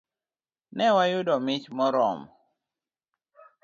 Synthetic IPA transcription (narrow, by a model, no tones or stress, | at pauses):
nɛwajʊdɔmɪt͡ʃmɔɾɔ̰m